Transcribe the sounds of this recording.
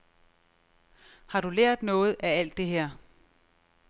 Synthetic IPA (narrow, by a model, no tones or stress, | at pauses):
hɑ̈ɾuleɐ̰d̥nɔ̽ːð̞̩ˠææl̰d̥e̝ɦeɐ̰